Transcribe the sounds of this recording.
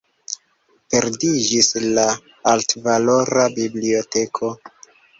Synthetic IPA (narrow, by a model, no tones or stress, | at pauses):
pe̞ɾdid͡ʒislaː | ltvalo̞ɾabiblio̞te̞kʰo̞